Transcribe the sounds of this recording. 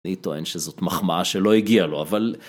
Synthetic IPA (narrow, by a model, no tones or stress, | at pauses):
it̪o̞enʃezo̞t̪maχmaaʃelo̞iɡialo̞aval